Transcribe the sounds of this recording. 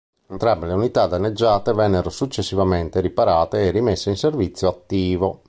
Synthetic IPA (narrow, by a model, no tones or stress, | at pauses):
ent̪ɾambeleunit̪ad̪anːed͡ʒːaːt̪evɛnːeɾosut͡ʃːesːivament̪eɾipaɾaːt̪eːrːimesːeinservit̪sːjoat̪ːiːvo